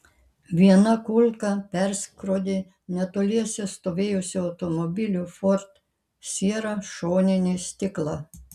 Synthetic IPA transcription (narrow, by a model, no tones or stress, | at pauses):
ʋʲiɛnɐkʊlʲˠkɐpʲɛɾsʲkɾod̪ʲɪ | nʲɛt̪oːlʲiɛsʲɛst̪oːʋʲeːjʊsʲɪɐʊt̪ɔmɔbʲɪlʲufɔɾt̪ | sʲiɛɾɐʃoːnʲɪnʲisʲt̪ʲɪklˠɑ